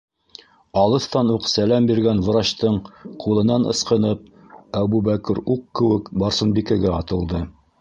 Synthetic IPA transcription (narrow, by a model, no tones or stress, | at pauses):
ɑlˠɤ̆θt̪ɑnuqsælæmbiɾɡænwɤ̆ɾɑɕt̪ɤɴqʰulˠɤ̆nɑnɤ̰̆sqɤ̆nɤp̚ | æβubækɘɾuqkɘ̆wɘkbɑɾsɤ̆nbikɘɡɘɑt̪ɤ̆lˠd̪ɤ